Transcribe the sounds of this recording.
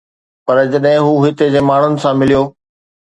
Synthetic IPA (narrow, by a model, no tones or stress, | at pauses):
pɐɾd͡ʑɐɗɦɪ̃ɦuːɦɪt̪ed͡ʑeːmaːɳ̤ʊnɪ̆sãmɪlijoː